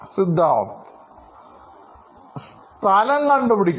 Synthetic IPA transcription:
sid̪ʱːa̰ːt̪ | s | t̪ɐlɐŋkɐɳɖupiɽikʲː

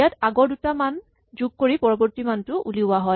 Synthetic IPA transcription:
ataɡɔɹdutaman | zuɡ̚koɹipɔɹɔbɔɹtimantʊʔuliʊaɦɔj

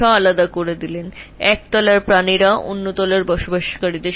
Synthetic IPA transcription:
aalad̪akoɾed̪ilenɛk̚t̪ɔlaɾpɾaniɾao̰nːot̪ɔlaɾbɔʃobʱaʃkaɾid̪e

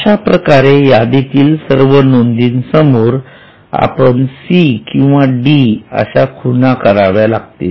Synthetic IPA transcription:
əɕapɾəkaɾejad̪it̪iːlsəɾʋənond̪iːnsəmoɾ | a̰pənsikĩw̃ʋaɖiə̰ɕakʰunakəɾaʋjalaɡt̪e

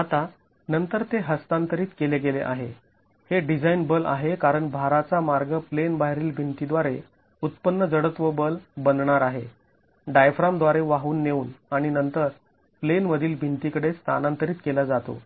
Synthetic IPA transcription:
at̪a | nənt̪əɾt̪eɦəst̪ant̪əɾiːt̪kelekelḛʔaɦe | heɖid͡zainbəla̰ɦekaɾəɳbʱaɾat͡samaɾɡəplenbaɦɾiːlbʱint̪id̪ʋaɾe | ut̪pənːəd͡zəɽət̪ʋəbəlbənɳaɾaɦe | ɖajfɾamd̪ʋaɾeʋaɦuːnːeuːnaɽ̃inənt̪əɾ | plenməd̪ʱiːlbʱint̪ikəɽest̪ʰa̰nãnt̪əɾiːt̪kelad͡zat̪o̰

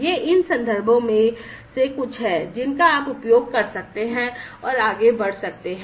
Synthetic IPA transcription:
jeːʔɪnsɐ̃nd̪ʱəɾbʱõmẽsekʊt͡ʃʰɦɛːd͡ʒɪnkaaːpʊpjoːɡ̚kɐɾsɐk̚t̪eɦɛ̃ɔːɾaːɡebɐɽ̤sɐk̚t̪eɦɛ̃

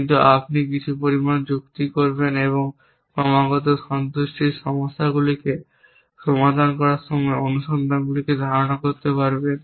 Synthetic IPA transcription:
kint̪̬uapnik̬it͡ɕʰupoɾimand͡ʑukt̪ikoɾbeneβoŋ | pɾɔmaɡɔt̪̬oʃɔnt̪uʃʈiɾʃɔmoʃːaɡulike | ʃɔmad̪ʱankɔɾaɾʃɔmɔeonuʃɔnd̪ʱanɡuliked̪ʱaɾonakoɾt̪epaɾben

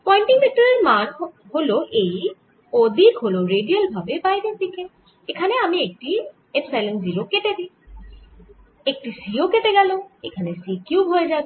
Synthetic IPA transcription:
pɔjnʈiŋbʱik̚toɹiɹman | holoʔej | od̪ʱikɦoloɹeɖialbʱabepajdet̪ike | ekʰanɛamiek̚ʈi | epsalenziɹoketɛd̪ĩ | ek̚ʈisioketɛɡaloḛkʰanɛsikjuɦojzab

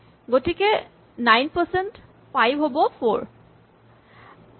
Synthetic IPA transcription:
ɡotikɛ | najnpəsɛnt | pajbɦobɔpʰoɹ

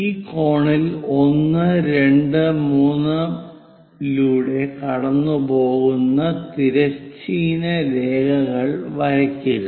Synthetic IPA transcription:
iːko̞ːɳilo̞nːɨɾe̞ɳɖɨmuːnːɨ | luːɽe̞kɐɽɐnːubo̞ːɣunːɐt̪iɾɐt͡ɕːiːnɐɾe̞ːɡɐɣɐɭʋɐɾɐkʲːuɣɐ

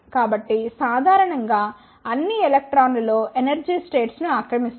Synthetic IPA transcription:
kaːbɐʈːisaːd̪ʱaːɾɐɳɐŋɡaː | ɐnːielek̚ʈɾaːnlɐlo̞ːʔenɐɾd͡ʒiːsʈe̞ːʈsnuaːkɾɐmist̪

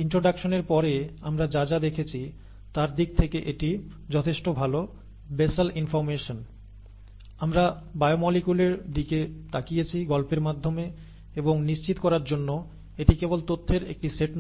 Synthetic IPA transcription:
iɳʈɾoɖakʃoneɾpɔɾeamɾad͡ʑad͡ʑad̪ekʰet͡ɕʰi | t̪aɾd̪ik̚t̪ʰekeʔeʈi | d͡ʑɔt̪ʰeʃʈobʱalo | besalinfɔɾmeʃon | amɾabaeomɔlikuleɾd̪iket̪akijet͡ɕʰiɡɔlpeɾmad̪ʱːome | eboŋniʃt͡ɕit̪kɔɾaɾd͡ʑonːo | eʈikebolt̪ot̪ʰːeɾḛk̚ʈiseʈ

